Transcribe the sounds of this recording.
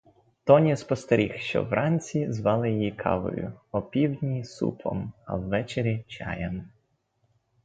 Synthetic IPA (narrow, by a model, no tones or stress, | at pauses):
t̪ɔnʲispɔst̪ɐɾʲixʃt͡ʃɔ̰wrʔɑnʲt͡sʲizʋɑlˠɪjɔjikʰɑ̰ʋʊ̰ɾʲʊ̰ɔpʲiwdʲnʲisṵpʰɔ̰mɐ̰wːɛt͡ʃeɾʲit͡ʃɑ̰jɛm